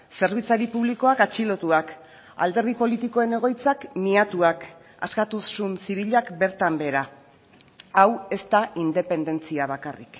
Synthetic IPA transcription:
se̞ɾβ̞it͡saɾipuβ̞liko̞akat͡ʃilo̞t̪uak | a̰ld̪e̞ɾɣipo̞lit̪iko̞e̞ne̞ɣ̞o̞jt͡sakniat̪uak | askat̪usːunsiβ̞iʎakbe̞ɾt̪ambe̞ɾa | awe̞st̪aʔind̪e̞pe̞nd̪e̞nt͡siaβ̞akarḭk

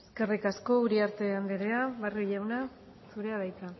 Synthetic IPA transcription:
eske̞rikasko̞uɾiaɾt̪e̞and̪eɾeaβariʎawna | suɾe̞aβajk̪a

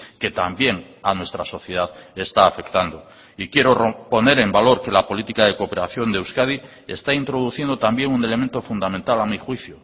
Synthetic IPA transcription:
ke̞t̪ambje̞ŋ | anwe̞st̪ɾaso̞θje̞ð̞aðe̞st̪aːfe̞kt̪and̪o̞ | ikje̞ɾorpo̞ne̞ɾe̞mbalo̞ɾke̞lapo̞lit̪ikaðe̞kope̞ɾaθjo̞nd̪ewskaði | e̞̰st̪aint̪ɾo̞ð̞uθjend̪o̞t̪ambje̞ŋune̞le̞ment̪o̞fund̪amẽnt̪alamixwiθjo

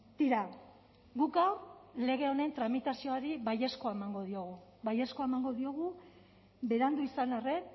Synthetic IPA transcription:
t̪iɾa | ɡukale̞ɣ̞e̞o̞ne̞nt̪ɾamit̪asioaɾiβaje̞sko̞aemaŋɡo̞ðio̞ɣuβajeskoaemaŋɡo̞ðio̞ɣ̞u | be̞ɾand̪uisanare̞n

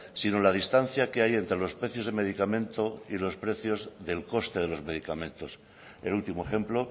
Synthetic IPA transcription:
sinolað̞ist̪an̟θjake̞aje̞nt̪ɾelo̞spɾe̞θjo̞zð̞eme̞ðikamẽ̞nt̪o̞ilo̞spɾe̞θjo̞zðe̞lko̞st̪e̞ðe̞lo̞zme̞ðikamẽ̞nt̪o̞s | elult̪imoexe̞mplo̞

